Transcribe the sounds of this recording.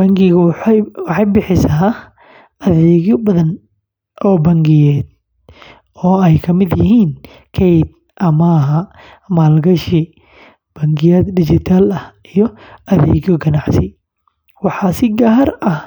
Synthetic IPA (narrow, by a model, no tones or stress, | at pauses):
b̥ɐŋɡɪɣwɑħɑjbɪħɪsaː | ɐðɛːɣjɔbɐðɐn | ʔɔːbɐŋɡɪjɛːd̪̚ | ɔːɛjkʰɐmɪd̪jɪɦiːn | kʰɛjd̪ | ʔɐmɐːɦɐ | maːlɡɐʃɪ | b̥ɐŋɡɪjɛːd̪d̪ɪt͡ʃɪt̪ʰaːlɐh | ijɔɐðɛ̰ːɣjɔɡɐnɑʕsɪ | wɑħɑːsɪɡaːɦɐrɐh